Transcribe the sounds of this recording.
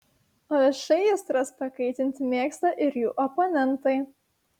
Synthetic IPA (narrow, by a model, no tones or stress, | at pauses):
oɛʃɛɪjɛst̪ɾɐspɐkɐɪt̪ʲɪnʲt̪ʲmʲeːkst̪ɐʔɪɾjuːʔɔponʲɛnˑt̪ɐɪ